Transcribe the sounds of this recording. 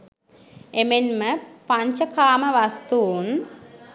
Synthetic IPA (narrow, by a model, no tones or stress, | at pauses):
emenməpaɲt͡ʃəkaːməʋast̪uːn